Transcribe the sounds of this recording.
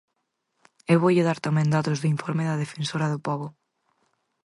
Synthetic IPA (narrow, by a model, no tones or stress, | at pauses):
ewβoʎeðaɾt̪amẽŋd̪at̪ʊzðʊiɱfɔɾmeðɐð̞efensoɾaðʊpɔβʊ